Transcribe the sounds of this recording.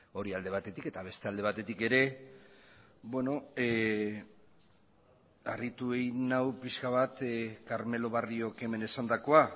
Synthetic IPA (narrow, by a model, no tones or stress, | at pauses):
o̞ɾiald̪e̞β̞at̪e̞t̪ike̞t̪aβe̞st̪e̞ald̪e̞β̞at̪e̞t̪ike̞ɾe̞ | bwe̞no̞ | arit̪uejnawpiskaβat̪kaɾme̞lo̞βario̞ke̞me̞nesand̪ako̞a